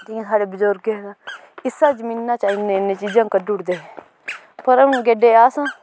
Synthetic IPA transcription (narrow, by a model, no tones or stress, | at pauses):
d̪iẽːsʰaːɽeːbʊzoɾɡeɡaː | ɪsaːd͡ʒəmiːnːãːt͡ʃaːɪnːeːneːt͡ʃiːd͡ʒãːkəɖʊɽd̪eː | pəɾɛʊnɡeːɖeːaːsãː